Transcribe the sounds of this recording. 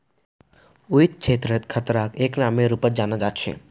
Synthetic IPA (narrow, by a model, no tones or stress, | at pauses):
uit̪̚t͡ʃʰeːt̪ɾət̪kʰət̪ɾakeːknameɾupət̪̚d͡ʒaːnad͡ʒaːt̪t͡ʃʰḛ